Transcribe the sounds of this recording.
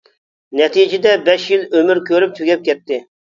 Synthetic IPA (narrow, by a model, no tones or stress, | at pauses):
nɛt̪ʰid͡ʒɪd̪ɛbɛʃjilømyɾkʲʰøɾyp̚t̪ʲʰyɡʲɛp̚kʲɛt̪ʰːɪ